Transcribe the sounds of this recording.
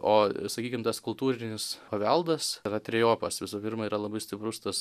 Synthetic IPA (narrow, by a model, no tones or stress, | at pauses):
oːsɐkʲiːkʲɪmt̪ɐskʊlˠt̪uːɾʲɪnʲɪspɐʋʲɛlˠd̪ɐsrɐt̪ʲɾʲɛjoːpɐsʋʲɪsuːpʲɪɾmɐiːɾɐlˠɐbɐɪsʲt̪ʲɪpɾʊst̪ɐs